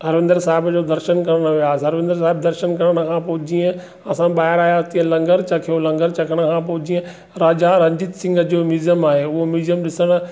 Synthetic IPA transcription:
ɦɐɾʋɪ̃nd̪əɾsaːɦɪbd͡ʑoːd̪ɐɾʃənkɐɽəɽ̃ʊʋijaːɦɐɾʋɪ̃nd̪əɾs̬aːɦɪbd̪ɐɾʃənkɐɽəɽ̃ə̆kʰãːpoɦʊd͡ʑiə̃ | ɐsãɓaːɦɪɾaːjaːt̪ĩə̃lɐ̃ŋɡəɾt͡ɕɐkʰijolɐ̃ŋɡəɾt͡ɕɐkʰəɽ̃ə̆kʰãpoɦʊd͡ʑiːẽ | ɾaːd͡ʑaɾɐ̃ɲd͡ʑɪt̪sɪ̃ŋɡʱəd͡ʑoːmiːzəmaːɦeːʊɦomiːzijəmɗɪsəɽ̃ʊ̆

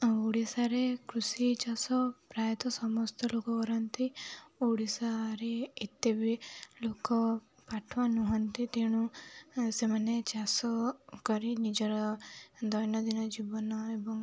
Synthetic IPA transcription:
uɽisaɾekɾusit͡ʃasɔpɾajɔt̪ɔsɔmɔst̪ɔlokɔkɔɾɔnt̪iuɽisaɾeːt̪ːebilokɔ | paʈʰʋanuɦɔnt̪it̪eɽ̃ũ | semanet͡ʃasɔkɔɾinid͡ʒɔɾɔd̪ɔjnɔd̪inɔd͡ʒibɔnɔebɔŋ

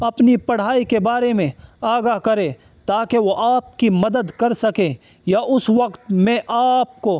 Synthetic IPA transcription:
ɐpnipɐɽ̤aːikebaːɾemẽaːɡaɦkɐɾe | t̪aːkeʋoʔaːp̚kimɐd̪əd̪kɐɾsɐke | jaʔʊsʋɐqt̪mẽʔaːp̚ko

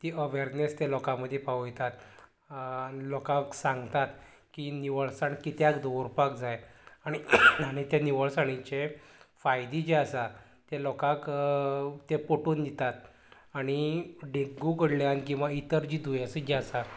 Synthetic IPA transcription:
t̪iəʋeɾnest̪elɔkaməd̪ʱːjepaʋujɛt̪at̪ | lɔkãksãŋɡt̪at̪ | kiniʋəɭsaɳkit̪jakd̪oɾupakd͡zajaɽ̃iaɽ̃it̪janiʋəɭsaɽ̃it͡ɕefajd̪id͡ʑeasa | t̪elɔkak | t̪epoʈuːnd̪it̪at̪̚ | aɽ̃iɖeɡukəɽljankĩw̃ʋait̪əɾd͡ʑiːd̪ujasəd͡ʑeasa

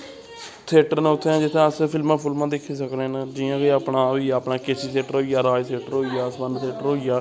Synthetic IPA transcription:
t̪ʰɪːʈəɾnːʊt̪ʰːeãːd͡ʒɪt̪ʰːẽəspʰɪlmãːpʰʊlmãːd̪ekʰːiːsəkɾenad͡ʒiːãːkiaːpnaːoiaːpnaːkeːsiːt̪ʰeːʈəɾɦoːijaːɾaːjt̪ʰeːʈəɾɦoːijaːsmənt̪ʰeːʈəɾɦoːijaː

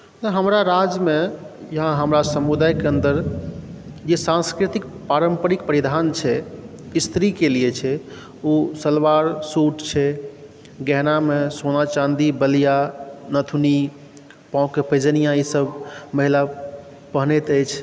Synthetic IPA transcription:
t̪əɦəmɾaɾad͡ʒme | jəɦãɦəmɾasəmud̪ajkeənd̪əɾ | d͡ʒesãnskɾit̪ikpaɾəmpəɾikpəɾid̪ʱant͡ʃʰɛ | ist̪ɾikelijɛt͡ʃʰɛ | usəlʋaɾsuʈt͡ʃʰɛ | ɡɛɦnamesonat͡ʃãnd̪ibəlijanət̪ʰuni | pãʊkːepʰəd͡ʒənijãisəbʱməɦila | pəɦnet̪əjt͡ʃʰ

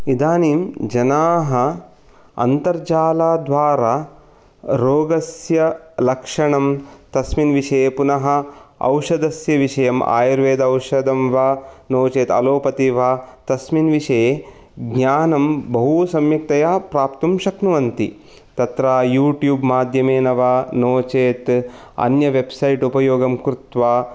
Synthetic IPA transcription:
id̪aːniːmd͡ʒɐnaːɦɐ̆ | ɐ̰nt̪ɐɾd͡ʒaːlaːd̪ʋaːɾaː | ɾoːɡɐsjɐlɐkʂɐɳɐmt̪ɐsminʋiʂɐeːpunɐɦɐ̆ɐ̰wʂɐd̪ɐsjɐʋiʂɐjɐma̰ːjɐɾʋeːd̪ɐɐwʂɐd̪ɐmʋaːnoːt͡ʃeːt̪ɐ̰loːpɐt̪iʋaːt̪ɐsminʋiʂɐe | ɡɲaːnɐmbɐɦusɐmjɐk̚t̪ɐjaːpɾaːpt̪umʃɐknuʋɐnt̪ḭ | t̪ɐt̪ɾaːjuːʈjuːbmaːd̪ʱjɐmeːnɐʋaːnoːt͡ʃeːt̪ | ɐ̰njɐʋebsɐjʈupɐjoːɡɐmkɾut̪ʋaː

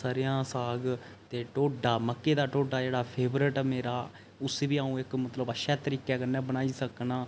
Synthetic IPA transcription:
səɾɪjãːsaːɡ | t̪eːʈoːɖaːməkːeːd̪aːʈoːɖaːd͡ʒeːɽaːpʰeːbɾəʈːmeːɾaː | ʊseʋiːaːũːɪkmət̪ləbəʃɛːt̪əɾiːkɛːkənːɛːbənaːiːsəknaː

